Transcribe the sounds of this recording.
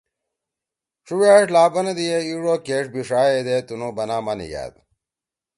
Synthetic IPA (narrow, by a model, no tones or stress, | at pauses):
ʂuwaːʂlaːbɐnɐd̪ijeiɻoːkeːʂbiʂaːjed̪et̪unobɐnaːmanḭja̰ːd̪